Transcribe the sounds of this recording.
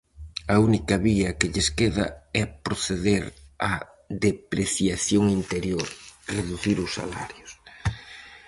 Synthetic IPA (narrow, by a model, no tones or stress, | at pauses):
ɐunikɐβiɐkɪʎeskeðɐ̰ɛpɾoθeðeɾɐ | ðepɾeθjaθjoŋint̪eɾjoɾreðuθiɾʊsːa̰la̰ɾjʊs